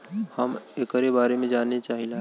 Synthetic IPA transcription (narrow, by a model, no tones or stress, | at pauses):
həmekəɾebaːɾemẽd͡ʒaːnːet͡ʃaːɦila